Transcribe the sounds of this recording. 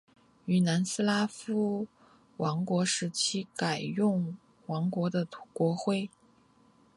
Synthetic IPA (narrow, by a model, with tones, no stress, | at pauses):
y˧˩na˧˥nsɹ̩˥la˥fu˥ | wɑ˧˥ŋkwɔ˧˥ʂɻ̩˧˥t͡ɕʰi˥ka˨˩ɪjʊ˥˩ŋ | wɑ˧˥ŋkwɔ˧˥d̪ə˧t̪ʰu̥˧˥kwɔ˧˥xwe˥˩ɪ